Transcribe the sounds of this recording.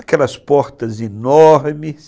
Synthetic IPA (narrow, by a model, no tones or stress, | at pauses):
ɐkɛlɐspɔɾt̪ɐzenɔɾmɪs